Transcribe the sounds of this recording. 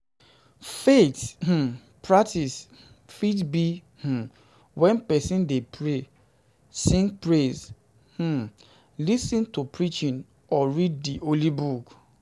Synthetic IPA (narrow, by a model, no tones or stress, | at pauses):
feth̩ | pʰɹaktis | fitbi | h̩ | wɛ̃npɛsĩndepʰɹe | sĩŋɡpɹez | h̩ | lisĩntupʰɹit͡ʃĩn | ɔɹid̚ːiʔolibuk